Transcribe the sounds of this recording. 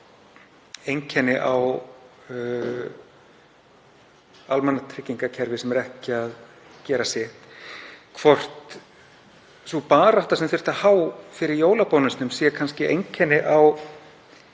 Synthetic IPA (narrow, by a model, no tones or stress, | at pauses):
ejŋcʰɛnɪʔaw | almɛnːat̪ʰɾɪcːiŋkacʰɛɾvɪsɛmɛɾɛhcɪað | cɛːɾasɛht̪kʰvɔr̥t̪ | supaːɾaht̪asɛmfɪr̥t̪aðhaːwfɪɾɪɾjoːwlapɔːnʏst̪nʏmsjɛkʰanscɪʔejɲcʰɛnːɪʔaw